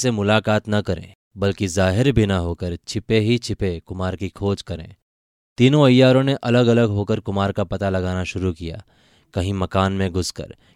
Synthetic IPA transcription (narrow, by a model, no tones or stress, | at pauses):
semʊlaːkaːt̪nɐkɐɾḛ̃ː | bɐlkizaːɦɪɾbʱinɐɦoːkəɾt͡ʃʰɪpeɦit͡ʃʰɪpekʊmaːɾkikʰoːd͡ʒkɐɾḛ̃ː | t̪iːnõɐjːaːɾõneʔɐləɡɐləɡɦoːkəɾkʊmaːɾkapɐt̪alɐɡaːnaʃʊɾukija̰ː | kɐɦĩmɐkaːnmẽɡʱʊskə̰ɾ